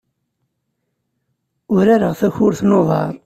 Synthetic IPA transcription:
ʊɾaɾəʁθæçʊɾθnoðˤɑ̰ɾˤ

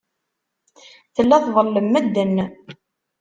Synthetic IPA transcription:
θəlːæθðˤəlːəmːæd̪ːənː

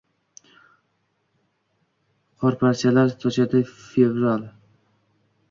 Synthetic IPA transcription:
qʰɒɾpʰaɾt͡ʃʰalaɾt̪ʰɒt͡ʃad̪ɪfevɾalˠ

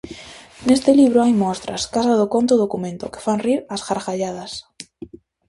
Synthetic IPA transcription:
ne̞st̪eliβ̞ɾoajmost̪ɾa̰skasaðokont̪oð̞okumẽnt̪oke̥fanriɾasxaɾxaʎað̞as

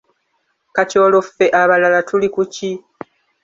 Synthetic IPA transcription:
kaco̞ːlo̞fːe̞ʔaβalalatulikuci

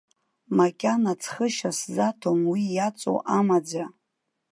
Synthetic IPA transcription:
makʲʼanat͡sʰχəʃaszatʰomwijat͡sʷʼo̰ʔamad͡za

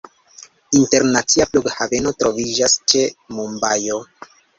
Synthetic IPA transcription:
inte̞ɾnat͡siafluɡhave̞no̞tɾo̞vid͡ʒast͡ʃe̞mumbajo̞

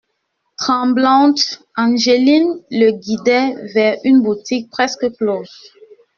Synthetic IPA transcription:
t̪χɑ̃blɑ̃t̪ | ɑ̃ʒelinləɡid̪ɛvɛʁynbut̪ik̚pχɛskəkloz

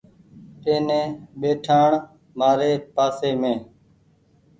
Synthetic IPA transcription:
ʈeːnẽːɓeːʈʰaːɳ | maːɾeːpaːseːmẽː

